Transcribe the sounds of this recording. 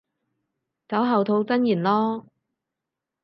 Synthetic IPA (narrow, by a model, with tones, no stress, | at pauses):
t͡sɐ˨˥wɦɐ˨wt̪ʰo˧wt͡sɐ˥njiː˨˩nlɔː˥